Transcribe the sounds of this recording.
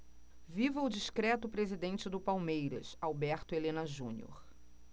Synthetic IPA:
vivɐʊd͡ʒiʃkɾɛt̪ʊpɾezid̪ẽnt͡ʃɪd̪ʊpawmejɾɐ̰sawbɛɾt̪ʊelẽnɐʒũnio̰ɾ

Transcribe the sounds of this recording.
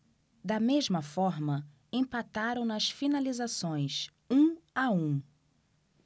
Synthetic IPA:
d̪ɐmezmɐfɔɾmɐ | ẽpat̪aɾɐ̃w̃nɐsfinalizasõj̃s | ũaũ

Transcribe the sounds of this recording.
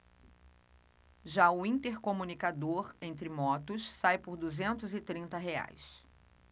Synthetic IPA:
ʒaʊĩnt̪eɾkomũnikad̪oɾẽnt̪ɾɪmɔt̪ʊssajpʊɾd̪uzẽnt̪ʊzɪt̪ɾĩnt̪ɐɦea̰js

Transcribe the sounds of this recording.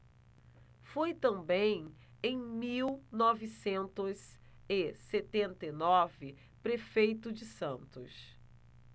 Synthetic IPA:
fojt̪ɐ̃mbẽj̃ẽj̃miwnɔvisẽnt̪ʊz | ɪset̪ẽnt̪ɐjnɔvɪ | pɾefejt̪ʊd͡ʒɪsɐ̃nt̪ʊs

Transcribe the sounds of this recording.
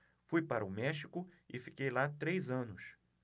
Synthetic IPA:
fujpaɾɐʊmɛʃi̥kʊɪfi̥kejlat̪ɾejzɐ̃nʊs

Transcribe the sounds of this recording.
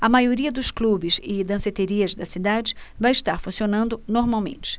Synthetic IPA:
ɐmajoɾiɐd̪ʊsklubɪzɪd̪ɐ̃set̪eɾiɐzd̪ɐsid̪ad͡ʒɪvãj̃ɪʃt̪aɾfũsionɐ̃nd̪ʊnoɾmawmḛ̃nt͡ʃɪ̥

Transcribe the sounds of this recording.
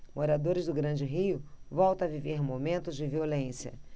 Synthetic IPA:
moɾad̪oɾɪzd̪ʊɡɾɐ̃d͡ʒɪɦijʊvɔwt̪ɐ̃ɐviveɾmomẽnt̪ʊzd͡ʒɪviolẽsiɐ̰

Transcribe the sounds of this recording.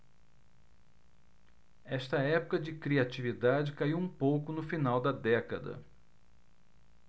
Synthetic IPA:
ɛʃt̪ɐɛpʊkɐd͡ʒɪkɾiat͡ʃivid̪ad͡ʒɪkaiwũpowkʊnʊfinawd̪ɐd̪ɛkɐd̪ɐ̰

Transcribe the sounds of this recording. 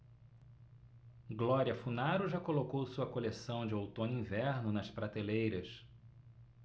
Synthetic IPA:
ɡlɔɾiɐfunaɾʊʒakolokowsuɐkolesɐ̃w̃d͡ʒɪowt̪õnĩvɛɾnʊnɐspɾat̪elejɾɐs

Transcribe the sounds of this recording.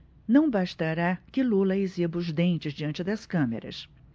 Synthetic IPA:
nɐ̃w̃baʃt̪aɾakɪlulɐɪzibʊzd̪ẽnt͡ʃɪzd͡ʒiɐ̃nt͡ʃɪd̪ɐskɐ̃mḛɾɐ̰s

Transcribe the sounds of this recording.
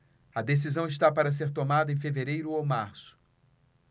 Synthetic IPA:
ɐd̪es̬izɐ̃w̃iʃt̪apaɾɐs̬eɾt̪omad̪ɐẽj̃feveɾejɾʊowmaɾsʊ̥

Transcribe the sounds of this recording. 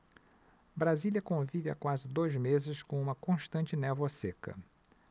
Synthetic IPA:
bɾaziljɐkõvivɪa̰kwazɪd̪ojzmezɪskõũmɐkõʃt̪ɐ̃nt͡ʃɪnɛvosekɐ̰

